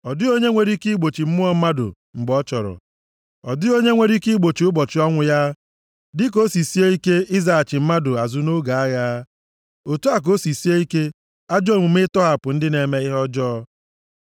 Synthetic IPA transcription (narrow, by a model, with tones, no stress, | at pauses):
ɔ˨dɪ˦o˦ɲe˦ŋʷe˨ɾi˦ki˦ɡ͡bo˨t͡ʃi˨m̩˦mʊ˦ɔ˦m̩˦ma˦dʊ̰˨ | ŋ͡m̩˨ɡ͡bɔ˦t͡ʃɔ˨ɾɔ̰˨ | ɔ̰˨dɪ˦o˦ɲe˦ŋʷe˨ɾi˦ki˦ɡ͡bo˨t͡ʃi˨ʊ˦bɔ˨t͡ʃɪ˨˦ɔ˦ŋʷʊ˨ja˦ | dɪ˦k̬o˦si˨si˦e˦i˦ke˦i˦za˨a˨t͡ʃɪ˨m̩˦ma˦dʊ˨a˨zʊ˦no˦ɡa˨a˦ɣa˦ | o˨tu˦a˨k̬o˦si˨si˦e˦i˦ke˦ | a˦d͡ʒɔ˦˨mʷu˨m˦ɪ˦tɔ˦ɦa˨pʊ˨n̩˦dɪ˦ne˨me˦ɪ˦ɦɔ˦d͡ʒɔː˦